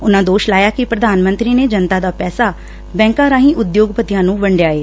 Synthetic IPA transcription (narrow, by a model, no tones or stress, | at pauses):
ʊnãːd̪oːʃlaːjaːkɪpɾəd̪aːnmə̃nt̪ɾiːneːd͡ʒənt̪aːd̪aːpɛːsaː | bɛ̃ːŋkãːɾãːɦĩːʔʊd̪joːɡpət̪ɪjãːnũːʋəɳɖjaːeː